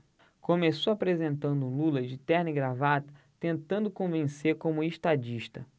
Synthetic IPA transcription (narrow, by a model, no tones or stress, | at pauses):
kõmesowapɾezẽnt̪ɐ̃nd̪ʊlulɐd͡ʒɪt̪ɛɾniɡɾavat̪ɐ̥ | t̪ẽnt̪ɐ̃nd̪ʊkõvẽseɾkõmʊeʃt̪ad͡ʒiʃt̪ɐ